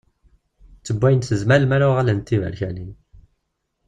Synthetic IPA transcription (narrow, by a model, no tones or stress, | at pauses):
t͡sːəbʷːæjənθəzmæləmæɾaʁalænt̪ːivæ̰ɾçænin